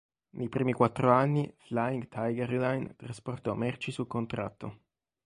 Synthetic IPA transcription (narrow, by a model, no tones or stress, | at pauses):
nʔejpɾiːmikwat̪ːɾoanːiflaiŋɡt̪ʰajɡɛɾlajnt̪ɾasport̪ɔmɛrt͡ʃisulkont̪ɾa̰t̪ːo